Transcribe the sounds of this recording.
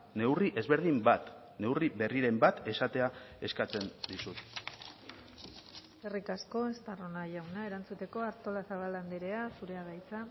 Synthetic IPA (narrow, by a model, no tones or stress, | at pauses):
ne̞wriʔe̞zβe̞ɾð̞imbat̪ | ne̞wriβe̞riɾe̞mbat̪e̞sat̪e̞ae̞skat͡se̞nd̪isut̪ | erikasko̞est̪aro̞naʝawnae̞ɾant͡sut̪e̞ko̞aɾt̪o̞lasaβ̞aland̪iɾe̞asuɾe̞aɣajt͡sa